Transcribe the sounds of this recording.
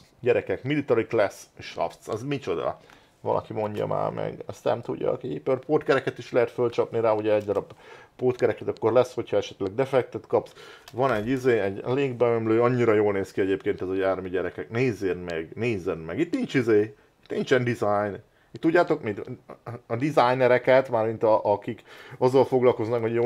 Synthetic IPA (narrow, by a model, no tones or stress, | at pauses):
ɟɛɾɛkɛkmilit̪ɒɾiklɛsʃɒ̰ft̪sɒ̰zmit͡ʃo̞d̪ɒ̰ | vɒ̰lʔɒ̰kimo̞ɲɟɒ̰ma̰ːrmɛ̰ɡɛst̪nɛ̰mt̪ṵɟːɒ̰kiipːørpoːt̪̚kɛɾɛkɛt̪iʃlɛɦɛt̪følt͡ʃɒpniɾaːuɟɛɛɟd̪ɒɾɒbpoːt̪kɛɾɛkɛt̪ɒkːo̞rlɛsho̞cʰhɒɛʃɛt̪lɛɡ̚d̪ɛfɛk̚t̪ɛt̪kɒpsvɒnɛɟːizeːɛɟleːɡbɛømløːɒɲːiɾɒjoːlneːskiɛɟeːpkeːnt̪ɛzɒjaːrmiɟɛɾɛkɛkneːzːenmɛɡneːzɛnmɛɡit̪nint͡ʃizeː | it̪nint͡ʃɛnd̪izajn | it̪t̪ːuɟːaːt̪o̞kmid̪ɒd̪izajnɛɾɛkɛt̪maːrmint̪ɒʔɒkikɒzːɒlfo̞ɡlɒlko̞znɒkho̞ɟjo